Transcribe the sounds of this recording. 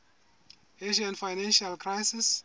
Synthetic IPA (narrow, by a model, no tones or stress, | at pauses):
eʃiãnfajnãnʃalkʰɹajsis